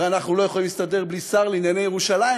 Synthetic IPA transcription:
anaχnulo̞jeχolimlist̪ade̞ʁblisaʁlinjanejeʁuʃalai

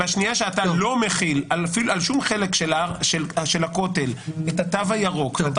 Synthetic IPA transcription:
aʃnijaʃeat̪alo̞meχilalfilualʃumχelekʃelaʃelʃelako̞t̪e̞let̪at̪avajaʁo̞k

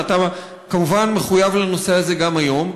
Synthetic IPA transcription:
ata | kamuvanmeχujavlano̞se̞aze̞ɡamajo̞m

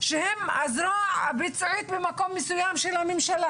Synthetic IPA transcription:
ʃehemazɾoaabit͡sʕit̪bemako̞mːesujamʃelamemʃala

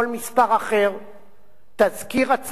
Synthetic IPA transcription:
olmispaʁaχe̞ʁ | t̪azkiʁat͡s

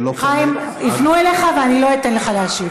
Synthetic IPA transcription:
χajim | ifnueleχaveanilo̞it̪enleχalaːʃi

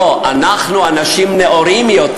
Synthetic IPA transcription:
oʔanaχnuanaʃimneʔoɾimjot̪

